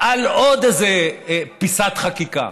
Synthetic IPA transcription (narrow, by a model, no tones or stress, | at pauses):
ʔalod̪ezepisat̪χakika̰